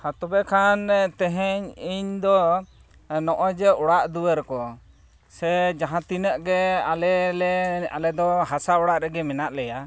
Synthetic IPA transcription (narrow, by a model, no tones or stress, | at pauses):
hat̪ɔbɛkʰant̪ɛɦɛɲiɲd̪ɔ | nɔʔɔd͡ʒɛɔɽaʔd̪uwəɾkɔ | sɛd͡ʒaɦãt̪inəʔɡɛalɛlɛa̰lɛd̪ɔɦasaɔɽaʔɾɛɡɛmɛnaʔlɛja